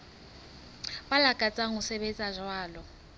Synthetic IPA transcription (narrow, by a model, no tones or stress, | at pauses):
balakʼat͡sʼaŋʊsɛβɛt͡sʼaʒwaːlɔ